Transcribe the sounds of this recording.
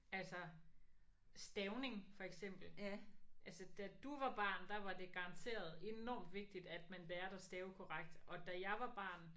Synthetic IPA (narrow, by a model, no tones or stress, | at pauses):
ælsɐ | sd̥eʊne̝ŋfɒ̽eɡ̥sem̰b̥l̩ʔælsəd̥æd̥uʋɑ̈b̥ɑ̰̈ːnd̥ɑʋɑ̈d̥e̝ɡ̥ɑ̈ʁɑ̈nt͡sʰe̝̰ːɐð̞̩ˠe̝nɒ̰ːmd̥ʋe̝ɡ̥̚d̥id̥æd̥mænbæːɐdesd̥eːʊkʰɒʁaɡ̥̚d̥ʔɒ̽d̥æjɑ̈ɪʋɑ̈b̥ɑ̰̈ːn